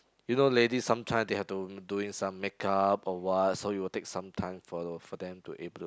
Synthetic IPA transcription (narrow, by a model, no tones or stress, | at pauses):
junoledisãmtʰãj̃mdehɛf̚tuduĩŋsãmːɛkʰapɔwɔt̚sojuwiltek̚sãmtʰãɪ̃mfɔfɔdɛ̃mtṵʔebə